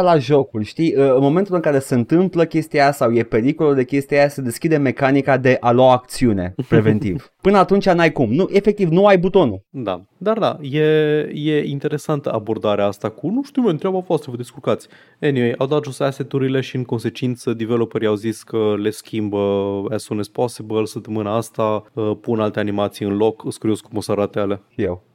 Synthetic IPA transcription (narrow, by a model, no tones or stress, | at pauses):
laʒo̞kulʲʃt̪iəɨnmo̞ment̪ulɨŋkaɾe̞se̞ɨnt̪ɨmpləkʲe̞st̪iasawje̞pe̞ɾikolod̪e̞kʲe̞st̪iaased̪eskʲid̪e̞me̞kanikad̪e̞ʔaloaːk̚t̪siune̞̰pɾe̞ve̞nt̪iv | pɨnəat̪unt͡ʃʲanajkumnuʔe̞fe̞k̚t̪ivnuajbut̪o̞nud̪a̰ | d̪ard̪a̰je̞je̞int̪e̞ɾe̞sant̪əabo̞rd̪aɾeaast̪akunuʃt̪iuwment̪ɾeabavoast̪ɾəvəd̪iskulkat̪sʲ | eniwejʔawd̪at̪ʒoseaset̪uɾile̞ʃiɨŋko̞nse̞t͡ʃint̪səd̪ivelopeɾjawziskəle̞skʲimbəasunesposibəlsəp̚t̪əmɨnaast̪aəpunalt̪e̞animat̪sijɨnlo̞kɨskɾioskumosaɾat̪eale̞ʃijḛw